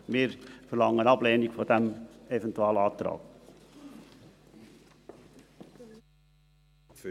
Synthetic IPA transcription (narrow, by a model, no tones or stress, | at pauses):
meːɾfɔɾlɑŋːənɑbleːnɪɡfɔd̪ɛmevɛnt̪ʉɑːləɑːd̪ɾɑ̰ːɡ̥